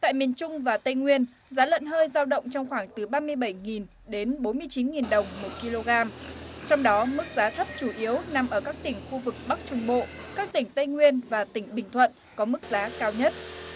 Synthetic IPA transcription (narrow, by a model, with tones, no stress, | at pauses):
t̪a̰ː˧˨jmi˨˩ənt͡ɕʊ˧ŋ͡mvaː˨˩t̪ə˧jŋwi˧ən | zaː˨˦lwə̰˧˨nɦəː˧jzaː˧wɗə̰˧˨wŋ͡mt͡ɕɔ˧wŋ͡mxwaː˧˩ŋt̪ɨ˨˩ɓaː˧mɨ˧əjɓə˧˩jŋi˨˩n | ɗe˨˦nɓo˨˦nmɨ˧əjt͡ɕi˨˦nŋi˨˩nɗə˨˩wŋ͡mmo˨˩t̚ki˧lo˧ɣaː˧mt͡ɕɔ˧wŋ͡mɗɔ˨˦mɨ˦˥k̚zaː˨˦t̪ʰə˦˥p̚t͡ɕu˧˩ʔi˨˦əwna˨˩mʔəː˧˩kaː˦˥k̚t̪ï˧˩ŋ̟xu˧vɨ˨˩k̚ɓa˦˥k̚t͡ɕʊ˧ŋ͡mɓo̰˧˨kaː˦˥k̚t̪ï˧˩ŋ̟t̪ə˧jŋwi˧ənvaː˨˩t̪ï˧˩ŋ̟ɓï˨˩ŋ̟t̪ʰwə̰˧˨n | kɔ˨˦mɨ˦˥k̚zaː˨˦kaː˧wɲə˦˥t̚